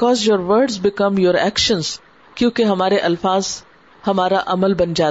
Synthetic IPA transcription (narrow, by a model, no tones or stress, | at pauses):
kɔːzjoːɾʋəɾɖzbɪkɐ̃mjoːɾɛ̰kʃə̃nz | kjũːkeɦɐmaːɾeʔɐlfaːz | hɐmaːɾaʔɐməlbɐnd͡ʒaː